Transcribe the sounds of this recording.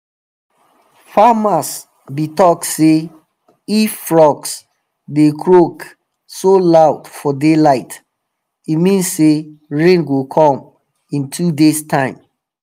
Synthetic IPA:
famas | bitɔkse | iffɹɔks | dekʰɹok | solaʊdfɔdelaɪt | imĩnseɹẽnɡwikʰɔ̃m | ĩntʰudestʰãɪ̃m

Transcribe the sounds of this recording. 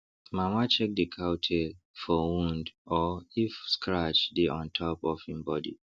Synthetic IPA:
mamat͡ʃɛk̚dikʰaʊtʰe | fɔwũndɔifskɹat͡ʃdiʔɔ̃ntʰɔpɔfhĩmbɔdḭ

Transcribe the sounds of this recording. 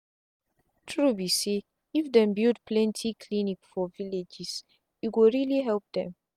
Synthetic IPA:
tʰɹubise | ifdɛ̃mbildpʰlɛ̃ntʰikʰlinikfɔviled͡ʒis | juwiɹiliɦɛlp̚d̪ɛ̃m

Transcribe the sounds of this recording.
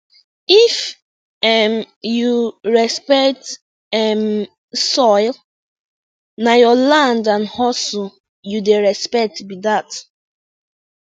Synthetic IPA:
if | ɛm | juɹɛspɛkt | ɛm | sɔjl | najɔlãndãnhɔs | judeɹɛspɛk̚tbidat

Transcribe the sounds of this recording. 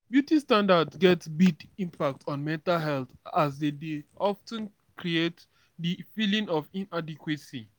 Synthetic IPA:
bjutistãndadsɡɛtsbiɡĩmpak̚tʰɔ̃nmɛ̃ntalɦɛlθasdedeʔɔftə̃n | kɹiet | difilĩŋɔvĩnadikwisi

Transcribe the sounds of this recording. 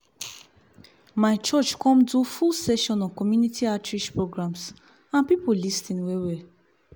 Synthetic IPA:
maɪt͡ʃɔt͡ʃkɔ̃mdufulsɛʃɔ̃nɔ̃nkɔmjunitʰiatɹiʃpɹoɡɹãms | ãnpipolistĩnwɛwɛ

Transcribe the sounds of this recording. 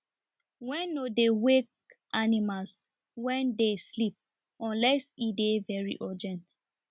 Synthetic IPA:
wɛ̃nodewek̚ʔanimals | wɛ̃ndeslip̚ | ɔ̃nlɛsidevɛɹḭʔɔd͡ʒɛ̃nt

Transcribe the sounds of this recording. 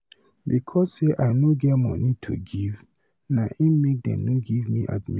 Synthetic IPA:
bikʰɔsseʔaɪnoɡɛmɔ̰̃nitʰṵɡiv | naʔimek̚dɛ̰̃mnoɡivmiʔa̰t̚mi

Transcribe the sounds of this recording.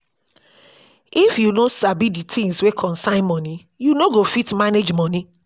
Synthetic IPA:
ifjunosabiditʰĩŋswekʰɔ̃nsãɪ̃nmɔ̃ni | junoɡofitmaned͡ʒmɔ̃ni

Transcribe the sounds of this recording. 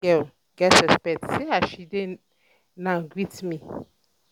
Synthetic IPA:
ɛl | ɡɛtɛspɛtseaʃide | nãɡwitmĩ

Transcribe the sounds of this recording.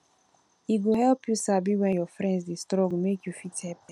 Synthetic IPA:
iɡoɦɛlpjusabiwɛ̃njɔfɾɛ̃ndsdestɾɔɡmekjufithɛpɛ

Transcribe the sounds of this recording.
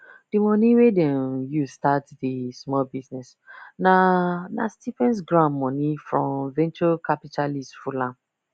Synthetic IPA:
d̥imɔ̃niwedɛ̃njustatdismɔlbiznɛs | nana̰stifɛ̃ns̬ɡɹãmːɔ̃nifɹɔ̃mvɛ̃nt͡ʃokʰapitʰalistfulãm

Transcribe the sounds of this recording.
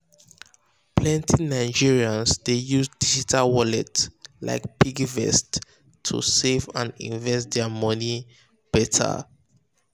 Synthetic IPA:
pʰlɛ̃ntʰinaɪd͡ʒiɹiãnsdejuzdid͡ʒitʰalwɔlɛtla̰ɪkpiɡvɛ̰stʰː | ṵsevã̰nḭ̃ɱvɛst̚dɛmɔni | b̥ɛtʰə̰

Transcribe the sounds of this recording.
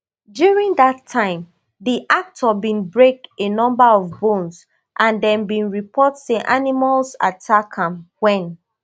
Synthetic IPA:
djuɹĩŋdatʰːãɪ̃m | ðiʔak̚tʰɔbĩnbɹek̚enɔ̃mbaɔvbõns | ʔãndɛ̃nbĩnɹipʰɔtseʔanimalsa̰tʰakʰãmwɛ̃n

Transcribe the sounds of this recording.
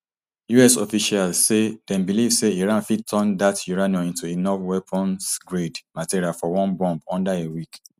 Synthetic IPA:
juɛsɔfiʃalsedɛ̃nbilivseiɹãnfid̚tʰɔ̃ndatjuɹãniɔ̃ĩntuenɔfwɛpʰɔ̃nsɡɹedmatiɾialfɔwɔ̃nbɔ̃mbɔ̃ndaewik

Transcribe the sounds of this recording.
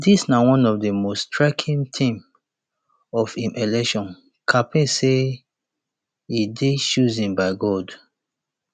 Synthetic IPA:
disnawɔ̃nɔvdəmostʰɹakʰĩntʰĩm | ɔfĩmʔelɛkʃɔ̃n | kʰapĩse | ideʃuzĩnbaɪɡɔd

